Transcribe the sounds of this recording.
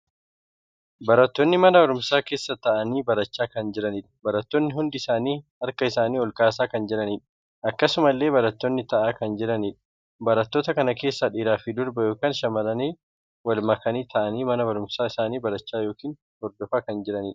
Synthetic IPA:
bɐɾɐt̪ːonːɪmɐnɐbɐɾʊmsaːke̞ːsːɐt̪ɐʔɐniːbɐɾɐt͡ʃːaːkɐnd͡ʒɪɾɐniːᶑɐ̥bɐɾɐt̪ːonːɪɦʊnd̪ɪɪsaːniːɐɾkɐɪsaːniːɔlkaːs̬aːkɐnd͡ʒɛᶑɐniːᶑɐ̥ | ʔɐkːɐsʊmɐlːeːbɐɾɐt̪ːonːɪt̪ɐʔaːkɐnd͡ʒɛɾɐniːᶑɐ̥ | bɐɾɐt̪ːoːt̪ɐkɐnɐke̞ːsːɐᶑiːɾaːfɪd̪ʊɾbɐjoːkaːnʃɐmɐlɐniː | wɐlmɐkɐniːt̪ʰɐʔɐniːmɐnɐbɐɾʊmsaːɪsaːniːbɐɾɐt͡ʃːaːjo̞ːkiːn | hɔɾd̪ɔfɐkɐnd͡ʒɛɾɐniːᶑɐ

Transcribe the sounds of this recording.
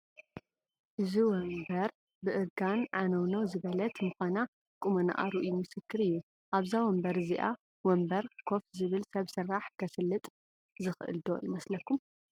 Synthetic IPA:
ʔɨziwɔmbɐɾ | bɨʔɨɾɡanʕanɐwnɐwzɨβɐlɐt̪mɨxana | kʼumɐna̰ʔa̰ɾɨʔjumɨsɨkʰːɨɾɨjːu | ʔaβzawɔmbɐɾɨziʔa̰ | wɔmbɐɾkʰo̞fzɨβɨlsɐβsɨɾaħkʰɐsɨlːɨt̪ʼ | zɨxɨʔɨ̰ld̪o̞̰ʔimɐslɐkːum

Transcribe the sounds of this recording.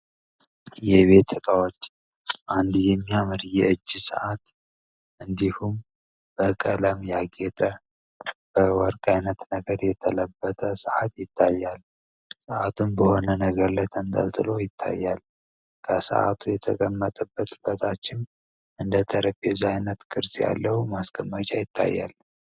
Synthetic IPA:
jɛβe̞t̪ʰːɨkʼawot͡ʃː | ʔand̪jɛmːijamɨɾjɛɨd͡ʒːsə̰ʔat̪ | ʔɨnd̪ihum | b̥əkʼələmjaɡɛt̪ʼə | b̥əwɔɾkʼajnət̪nəɡəɾjɛt̪ʰələbːət̪ʼəsəʕat̪jɪt̪ːajːal | səʔat̪ʰunbəho̞nənəɡəɾlət̪ʰənd̪ə̰lt̪ʰʼɨlo̞jɪt̪ʰːa̰jːal | kʰəsə̰ʔa̰t̪ʰujɛt̪ʰəkʼəmːət̪ʼəbːət̪ʼɨbət̪ʰat͡ʃːɪn | ʔɨnd̪ət̪ʰəɾəpezajnət̪kʰʼɨɾsja̰lːəhumaskʼʰəmːət͡ʃʼajɪt̪ʰːa̰jːa̰lː

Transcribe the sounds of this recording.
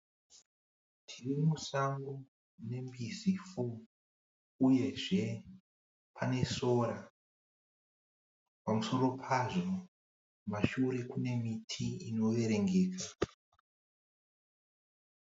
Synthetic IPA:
tʰirimusaŋɡo | ne̞mbizifu | uje̞ʐe̞ | pʰane̞so̞ɾa | pamuso̞ɾo̞pʰaʐo̞ | maʃuɾe̞kune̞mitʰiino̞ʋe̞ɾe̞ŋɡe̞ːka

